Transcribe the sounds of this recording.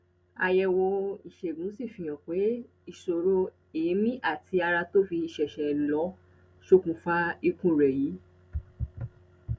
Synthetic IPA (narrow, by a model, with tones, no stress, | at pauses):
a̰˧jɛ˧wo˧i˨ʃe˨ɡũ˨˦si˦˨fĩ˧j̃ã˨k͡pe˨˦ | i˦˨ʃo˨ɾo˧ | e˨e˨˦mĩ˦ʔa˦˨ti˧a˧ɾa˧to˦fi˧i˨ʃɛ˨ʃɛ˨lɔ˨˦ | ʃo˧kũ˨˧˦fa˦i˧kũ˦˨ɾɛ˨ji˨˦